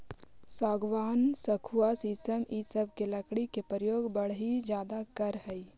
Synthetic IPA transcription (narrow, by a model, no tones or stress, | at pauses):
saːɡʋaːnsəkʰuwasiːsəmisəb̚ʱkelɐkɽikepəɾəjoːɡbəɽ̤ɦid͡ʒjaːd̪akəɾɦɛi